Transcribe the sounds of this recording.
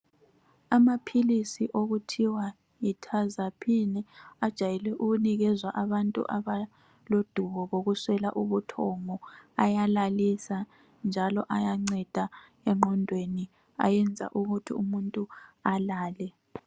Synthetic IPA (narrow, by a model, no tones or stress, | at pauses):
amapʰilisiʔoɣutʰiwa | itʰazapʰinɛad̥ʒ̥ʱajɛlɛʔuɣuniɣɛzwaʔaβantʼṵʔaβa | lod̥ʱuβɔɣoɣuswɛlaʔuβutʰɔŋɔajalalisa | nd͡ʒʱalɔʔajaŋ͡ǀɛd̥ʱa | ɛŋ͡ǃɔndʱweni | a̰jɛnd͡zʱa̰ʔuɣutʰḭumuntʼualaːlɛ